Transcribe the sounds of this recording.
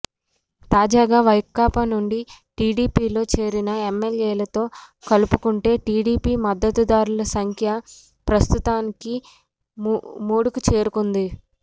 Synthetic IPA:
t̪aːd͡ʒaːɡaːʋɐjkːaːpɐnuɳɖiʈiːɽiːpiːlo̞ːt͡ʃe̞ːɾinɐemːeljeːlɐt̪o̞ːkɐlupukuɳʈe̞ːʈiːɽiːpiːmɐd̪ːɐt̪ud̪aːɾulɐsɐŋkʰjɐ | pɾɐst̪ut̪aːniki | muːɽukut͡ʃe̞ːɾukund̪i

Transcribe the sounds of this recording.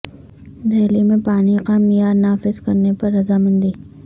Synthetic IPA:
d̪ʱeːlimẽpaːniqamijaːɾnaːfɪzkɐɾnepɐɾːɐzaːmɐ̃nd̪iː

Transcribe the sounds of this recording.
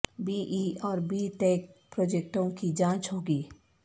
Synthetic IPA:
biːʔiːɔːɾbiːʈeːk̚pɾoːd͡ʒek̚ʈõkid͡ʒãːt͡ʃɦoːɡiː

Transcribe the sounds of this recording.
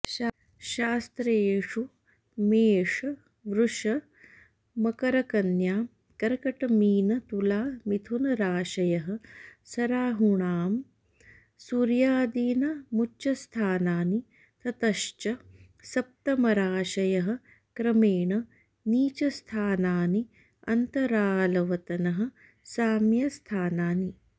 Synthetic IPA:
ʃaːst̪ɾeːʂu | meːʂɐ | ʋɾuʂɐ | mɐkɐɾɐkɐnjaː | kɐɾkɐʈɐmiːnɐt̪ulaːmit̪ʰunɐɾaːʃɐjɐɦɐ̆sɐɾaːɦuɳaːm | suɾjaːd̪iːnɐmut͡ʃɐst̪ʰaːnaːni | t̪ʰɐt̪ɐʃt͡ʃɐ | sɐp̚t̪ɐmɐɾaːʃɐjɐɦɐ̆ | kɾɐmeːɳɐ | niːt͡ʃɐst̪ʰaːnaːni | ɐnt̪ɐɾaːlɐʋɐt̪ɐnɐɦɐ̆ | saːmjɐst̪ʰaːnaːni

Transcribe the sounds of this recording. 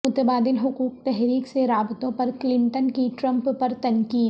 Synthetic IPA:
ʊt̪əbaːd̪ɪnɦʊkuːk̚t̪ɛɦɾiːkseɾaːbt̪õpɐɾklɪ̃ɳʈənkiʈɾɐ̃mppɐɾt̪ɐnkiː

